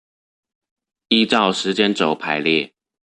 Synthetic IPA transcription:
i˥˧t͡sɑ˥˨ʊʂɻ̩˨˦t͡ɕjɛ˦nt͡so˨˩ʊpʰa˨˧˦ɪljɛ˥˨

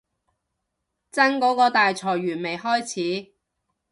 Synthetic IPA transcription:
t͡sɐ˥nkɔː˨˥kɔː˧t̪aː˨jt͡sʰɔː˨˩jɥyː˨˩nme˨jɦɔː˥jt͡sʰiː˨˥

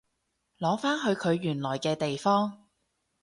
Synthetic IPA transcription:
lɔː˨˥faː˥nɦɵ˨˧ɥkʰɵ˨˧ɥːyː˨˩nlɔː˨˩jkɛː˧t̪e˨jfɔː˥ŋ

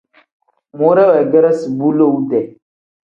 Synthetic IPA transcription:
mo˦ɾa˦wa˨ɡɛ˦ɾa˦si˨bu˦lo˦˨u˦dɛ˨

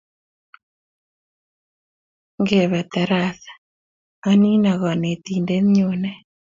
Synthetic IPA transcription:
ŋɡe˨βɛ˨t̪ɛ˨ɾa˦θḁ | a˦ni˦na˨ɣɔ˨ne˨t̪i˨nde˦nɲonɛ˦

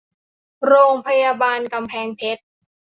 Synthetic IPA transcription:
ɾoː˧ŋpʰa˧jaː˧baː˧nka˧mpʰɛː˧ŋpʰe˦˥t̪̚

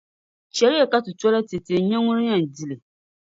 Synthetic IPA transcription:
t͡ʃɛ˨˦ɾɪ˦jɛ˨ka˦tɨ˨tɔ˦la˦te˨te˨ɲɛ˦ŋʊ˦ɾɨ˦ɲa˨n˨di˦lɨ˨

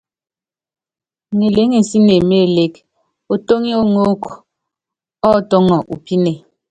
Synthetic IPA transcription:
ŋe˨le˨˦ŋe˨n̩˨si˦ne˨me˦˨le˨k | o˨to˦ŋi˦o˦ŋo˦k | ɔ˦˨tɔ˦ŋɔ˨ʔu˨pi˦ne˨

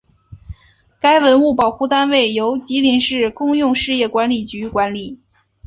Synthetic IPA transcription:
ka˥ɪwə˧˥nu˥˩pɑ˨˩ʊxu˥˩t̪a˥nwe˥˩ɪjo˧˥ʊt͡ɕi˧˥li˧˥ŋʂɻ̩˥˩kʊ˥˧ŋjʊ˥˧ŋʂɻ̩˥˧jɛ˥˩kwa˧˥nli˨˩t͡ɕy˧˥kwa˧˥nli˨˩˦

